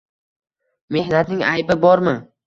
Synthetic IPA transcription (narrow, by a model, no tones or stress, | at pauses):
me̞hnat̪nɪŋajbɪbɒɾmɪ